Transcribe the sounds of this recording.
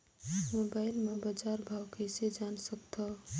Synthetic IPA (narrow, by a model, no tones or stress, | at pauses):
mobaɪlmebad͡ʒaɾbʱawkəjsed͡ʒansəkt̪ʰɔ